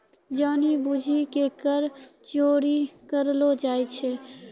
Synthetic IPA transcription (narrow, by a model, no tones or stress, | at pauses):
d͡ʒənibud͡ʒʱikekəɾt͡ʃoɾikəɾlod͡ʒajt͡ʃʰɛ